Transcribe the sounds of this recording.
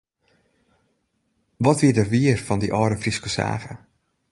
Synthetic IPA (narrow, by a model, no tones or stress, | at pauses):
ʋɔtʋiədərʋiərfɔndiʔɔːɾəfriskəsa̰ːɣə̰